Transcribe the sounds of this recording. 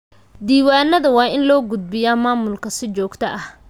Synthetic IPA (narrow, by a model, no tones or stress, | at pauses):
d̪iːwaːnɐðɐwɑːɪnlɔːɡʊd̪̚bɪjaːmaːmʊlkʰɐsɪt͡ʃɔːɡt̪ʰɐʔɐh